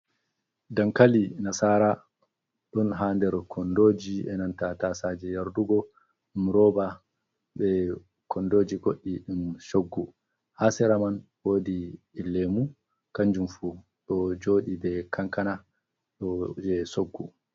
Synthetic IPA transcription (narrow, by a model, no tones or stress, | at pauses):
dankalinasaːɾa | ɗɔnɦaːndɛɾkʰɔndoːd͡ʒiɛnantatasad͡ʒɛjaɾduɡɔ | ɗumɾɔːba | bɛ | kʰɔndoːd͡ʒiɡoɗːiɗunʃoɡːu | hasɛɾamanwoːdiː | lːɛmu | kaɲd͡ʒumfu | ɗɔd͡ʒoːɗibɛkʰaŋkana | ɗɔd͡ʒɛsoɡːu